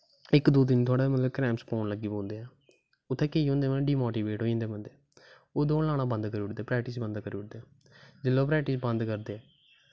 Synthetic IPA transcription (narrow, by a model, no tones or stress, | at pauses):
ɪkd̪oːd̪ɪnt̪ʰʊaːɽaːmət̪ləbkɾɛːmspoːnləɡiːbõːnd̪eːɛː | ʊt̪ʰːẽːkeːiɦõːnd̪eːməɖiːmoːʈiːʋeːʈɦoːĩːnd̪eːmənd̪eː | oːd̪õːlaːɽaːbə̃nd̪kəɾiːʊʈd̪eːpɾɛːkʈiːsbə̃nd̪kəɾiːʊʈ̚d̪eː | d͡ʒɪlːoːpɾɛːk̚ʈiːsbənd̪kəɾd̪eːɛː